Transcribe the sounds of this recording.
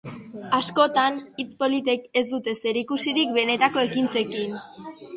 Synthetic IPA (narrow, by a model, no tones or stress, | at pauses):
asko̞t̪anit͡spo̞lit̪̬e̞ke̞zd̪ut̪e̞se̞ɾikusiɾik̚be̞ne̞t̪ako̞e̞kint͡se̞kin